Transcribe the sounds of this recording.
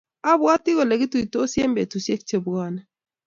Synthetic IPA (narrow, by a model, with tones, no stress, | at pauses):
a˦bwa˦tɪ˦ɣɔ˨lɛ˨ɡɪ˦tu˨i˨to˦sje˦mbe˨tu˨se˦k̚t͡ʃe˨bwɔ˦nɛ˨